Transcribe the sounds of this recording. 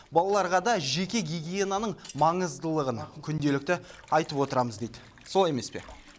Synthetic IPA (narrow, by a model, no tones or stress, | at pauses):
bɑlˠɑlˠɑɾʁɑd̪ɑʒe̞kʲe̞ɡʲiɡʲijenanəɴmɑɴəzd̪əlˠəʁənkʲʰʏnd̪e̞lɪk̚t̪ɪɑjt̪əpwo̞t̪əɾɑməzd̪e̞jd̪ɪ | so̞lˠe̞me̞spe̞̰